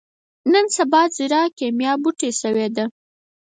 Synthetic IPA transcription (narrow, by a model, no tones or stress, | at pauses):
nənsabɑziɾɑkemjɑbuʈesəwed̪a